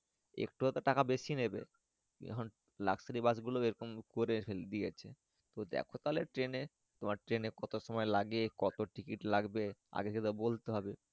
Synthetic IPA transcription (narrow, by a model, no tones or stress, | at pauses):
ḛkʈut̪aʈakabeʃinebe | ɛ̰kʰon | la̰ksaɾibasɡuloeɾɔkomkoɾefeld̪ijet͡ɕʰe | t̪od̪ɛ̰kʰot̪aɦleʈɾene | t̪omaɾʈɾenekɔt̪oʃɔmɔelaɡekɔt̪oʈikiʈlaɡbea̰ɡet̪ʰeket̪abolt̪eɦɔbe